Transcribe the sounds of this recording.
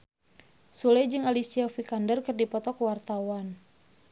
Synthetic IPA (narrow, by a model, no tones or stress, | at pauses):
sulɛd͡ʒɨŋalisiafikandərkɨrdipɔt̪ɔkwart̪awan